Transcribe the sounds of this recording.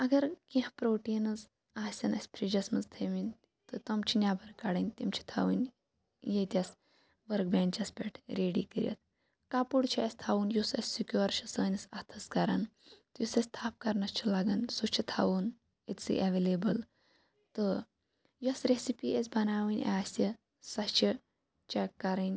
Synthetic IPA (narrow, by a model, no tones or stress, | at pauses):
ɐɡɐɾkĩhpɾoːʈiːnɨz | aːsʲɐnɐsʲpʰɾid͡ʒɐsmɐzt̪ʰeminʲ | t̪ɨt̪ɐmt͡ʃʰinjaːbɐɾkːaɽɐnʲt̪imt͡ʃʰi̥t̪ʰa̰ʋunʲ | jet̪ʲjɐs | ʋɐɾkbʲeːnt͡ʃɐspʲḛʈʰɾeːɖḭːkɨɾʲjɐ̰t̪̚ʰ | kaːpuɽt͡ʃʰiɐsʲt̪ʰaːʋunjusɐsʲsikʲjoːɾt͡ʃʰɐsɐːnʲɐsɐt̪ʰɐskɐɾant̪ɨjusɐsʲt̪ʰaːp̚kɐɾnɐst͡ʃʰilaːɡɐnsut͡ʃʰit̪ʰa̰ʋun | et̪ʲsɨ̰ʔɐʋelebɨl | t̪ɨ | jɐsɾesipiʔesʲbɐnaːʋɨnʲʔaːsʲi | sɐt͡ʃʰi | t͡ʃekkːɐɾɨnʲ